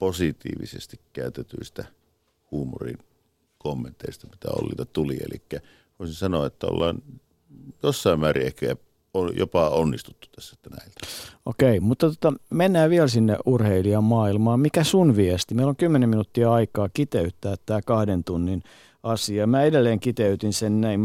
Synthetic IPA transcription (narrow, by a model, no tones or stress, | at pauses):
posit̪ḭːʋḭsḛst̪ikkæˑøt̪et̪yist̪æ | huːmo̰rḭn | komːent̪eˑist̪ɑmi̥t̪æ̰o̰lːiːt̪æt̪uliḛlikːæ | ʋoˑisinsɑnoɑet̪ːæo̰lːɑːn | josːɑˑimmæːrḭehkææ | ojo̰pɑonːist̪ut̪ːu̥t̪æsːæet̪ːænæilt̪æ̥okeimut̪ːɑt̪ot̪ɑmenːæːʋiɛlsinːḛʔʔurheiliɑmmɑːilmɑːmikæsunʋiɛst̪imeiloŋkymːeneminut̪ːiɑɑikɑːkit̪eyt̪ːæːt̪tːæːkɑhdent̪unːin | ɑsiɑmæedelːeːŋkit̪eyt̪insennæim